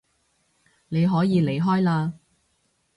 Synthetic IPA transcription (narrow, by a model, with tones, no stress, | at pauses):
ne˨˧jɦɔː˨˥jiː˨˧le˨jɦɔː˥jlaː˧